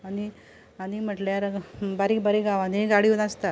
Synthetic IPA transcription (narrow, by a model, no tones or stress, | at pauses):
ani | anim̤əʈljaɾbaɾibaɾiɡaʋaniɡaɽiunast̪a